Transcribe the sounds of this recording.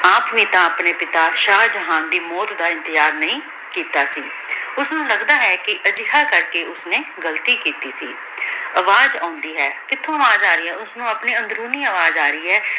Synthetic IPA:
aːpʋiːt̪ãəpneːpɪt̪aːʃaːd͡ʒəɦãːnd̪iːmɔːt̪d̪aːɪ̃nt̪ɪzaːɾnəɦĩː | kiːt̪aːsiː | ʊsnũːləɡd̪aːɦɛːkɪʔəd͡ʒɪɦaːkəɾkeːʊsneːɡəlt̪iːkiːt̪iːsḭː | əʋaːzãːnd̪iːɦɛːkɪt̪ʰõːəʋaːzaːɾəiːɦɛːʊsnũːəpniːə̃nd̪ɾuːniːəʋaːzaːɾəiːɦɛː

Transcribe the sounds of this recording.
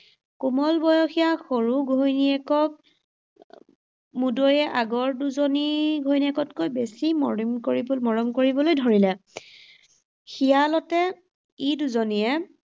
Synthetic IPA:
kumɔlbɔjɔxijaxoɹuɡʱojniɛkɔk̚ | mudojɛʔaɡɔɹduzoniɡʱojniɛkɔtkojbesimmkoɹibmɔɹɔmkoɹibɔlojdʱoɹilɛ | xijalɔtɛ | iduzonijɛ

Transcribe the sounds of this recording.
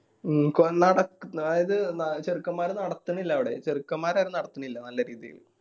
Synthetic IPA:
konɐɽɐkːuːjiðɨnɐt͡ɕerikːɐmːaːɾunɐɽɐt̪ːuɳːilːɐːʋiɽḛt͡ɕerikːɐmːaːɾaːɾunɐɽɐt̪ːuɳːilːɐnɐlːɐɾiːðḭjḭl

